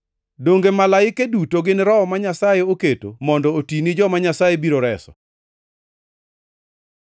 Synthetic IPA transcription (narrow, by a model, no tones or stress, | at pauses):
doŋɡemalaɪkedutoɡɪnɾɔɔmaɲasajeoketo̰mɔndɔotinid͡ʒɔmaɲasajebiɾoɾɛsɔ̰